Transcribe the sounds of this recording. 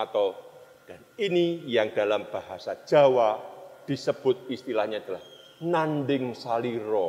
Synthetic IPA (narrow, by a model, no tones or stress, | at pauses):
at̪aw | d̥aninijaŋd̥a̤lamb̥aɦasḁʒ̥a̤wad̪̥i̤səb̥ʊt̪̚ist̪ilahɲaad̪əlah | nandɪŋsaliɾɔ